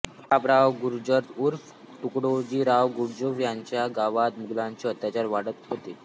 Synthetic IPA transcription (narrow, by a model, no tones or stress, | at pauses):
apɾaʋɡuɾd͡ʑəɾt̪uɾf | ʈukɽod͡ʑiɾaʋɡuɾd͡ʑəfjaɲt͡ɕjaɡaʋat̪muɡlaɲt͡ɕeət̪jat͡ɕaɾʋaɽət̪ɦot̪e